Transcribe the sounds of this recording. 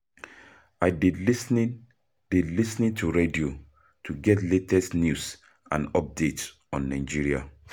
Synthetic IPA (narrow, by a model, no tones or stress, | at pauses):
aɪdisnĩ | didlisnĩntʰuɹedio | tʰuɡɛtletɛsnjus | ã̰nɔp̚det | ɔ̃nːaɪd͡ʒiɹia̰